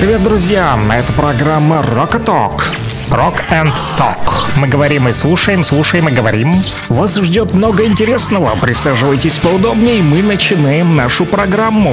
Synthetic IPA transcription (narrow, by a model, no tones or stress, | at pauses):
pɾʲɪvʲe̞t̪̚d̪ɾʊzʲjanɐɛt̪əpɾɐɡɾamːərokɐt̪o̰k | rokɛnt̪ː | o̰kmɨɡəvɐɾʲimɨslˠuʂəjɪmslˠuʂəjɪmɨɡəvɐɾʲim | vasʐdʲo̞t̪mno̞ɡəɪnʲtʲɪɾʲesnəvəpɾʲɪsaʐɨvəjtʲɪsʲpəʊd̪obnʲɪjmɨnət͡ɕɪnajɪmnaʂʊpɾɐɡɾamːʊ